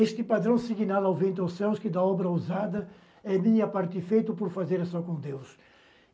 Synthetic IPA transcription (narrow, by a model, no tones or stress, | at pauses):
eʃt̪ɪpad̪ɾɐ̃w̃siɡinalawvẽnt̪awsɛwskɪd̪ɐɔbɾɐuzad̪ɐ | ɛmĩɲɐpaɾt̪ɪfejt̪ʊpoɾfazeɾɐsɔkõd̪ews